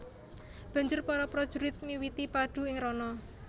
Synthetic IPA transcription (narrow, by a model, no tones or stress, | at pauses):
b̥a̤ɲd͡ʒʊrpɔɾɔpɾɔd̥ʒ̥ṳɾɪt̪̚miwit̪ipaɖ̥ṳɪŋɾɔnɔ